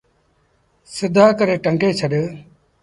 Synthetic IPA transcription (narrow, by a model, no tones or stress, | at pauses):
sɪd̪ʱaːkəɾeːʈəŋɡeːt͡ʃʰəɗ